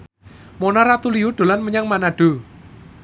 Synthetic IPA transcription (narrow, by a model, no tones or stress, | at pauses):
monaɾat̪uliuɖ̪̥o̤lanməɲaŋmanaɖ̥o̤